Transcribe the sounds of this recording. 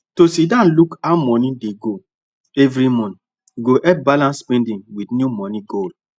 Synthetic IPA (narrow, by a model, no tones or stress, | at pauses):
tosidãnlukamɔnĩdeɡo | ɛvɾimɔ̃nt | ɡoʔɛp̚balãnspɛ̃ndĩŋwidnjumɔ̃nĩɡol